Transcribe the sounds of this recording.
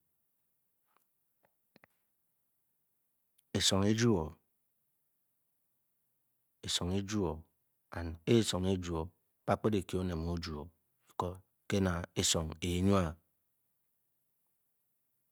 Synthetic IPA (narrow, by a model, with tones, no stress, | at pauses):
e˨so˨ŋe˦d͡ʒu˦o˨ | e˨so˨ŋe˦d͡ʒu˦o˨ | a˨n˨e˦so˨ŋe˦d͡ʒu˨o˨ | k͡pa˦k͡pe˦de˨ki˨˦o˦ne˨mo˦d͡ʒu˨o˨ | i˨kɔ˦ | ke˦na˨e˦sɔ˨ŋe˨˦ɲu˦a˨